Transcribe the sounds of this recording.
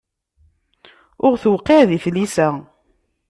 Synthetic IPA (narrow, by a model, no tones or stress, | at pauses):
ʊɾθwqːeðiθlisə